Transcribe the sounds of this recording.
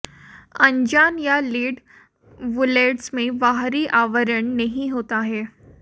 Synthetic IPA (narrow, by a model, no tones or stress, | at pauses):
əɲd͡ʑanjaliːɖ | ʋuleʈsmẽʋaɦɾiːʔaʋəɾəɳnəɦiɦot̪aɦeː